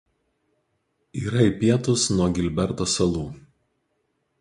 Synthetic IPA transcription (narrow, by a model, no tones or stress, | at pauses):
iːɾɐiˑpʲiɛt̪ʊsnuɔɡʲɪlʲbʲɛɾt̪oːsɐlˠuː